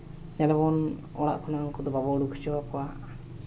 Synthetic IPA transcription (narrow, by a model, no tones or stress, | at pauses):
ɲalɛbɔn | ɔ̰ɽa̰ʔkʰɔnaŋkɔd̪ɔbabɔɽukʰu̥t͡ʃɔwakɔwaʔ